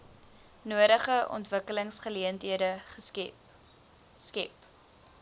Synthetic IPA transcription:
nuəɾəχəʔɔ̰ntvəkələŋsχəliəntɦiədəχə | skɛp

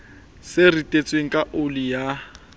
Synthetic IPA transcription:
sɪritʼet͡sʼweŋ̩kʼaʔʊlija

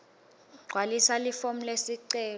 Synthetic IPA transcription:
ɡ͡ǀʱwalisalifom̩lesiǀɛː

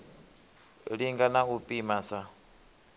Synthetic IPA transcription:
ɺiŋɡanaɦupʼimasa

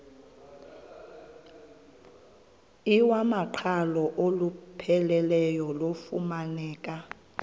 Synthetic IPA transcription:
iwamaǃʰalɔʔolupʰɛlɛlɛjɔlofumanɛːkʼa

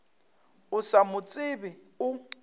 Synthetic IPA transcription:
ʊsamʊt͡sʼɪbɪ | ʊ

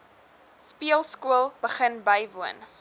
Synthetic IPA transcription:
spiəlˠskuəlˠb̥əχənbəjvuən

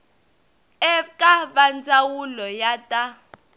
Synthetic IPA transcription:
ɛkʼaβand͡zʼawulɔjatʼa

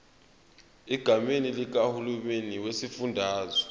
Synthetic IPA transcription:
iɡ̥ʱamenilik̬ahulumeniwesifundʱaːzɔ

